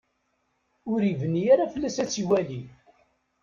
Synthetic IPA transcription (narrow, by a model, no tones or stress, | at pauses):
ʊɾivənːijaɾafəlːæsæt͡sːiwæli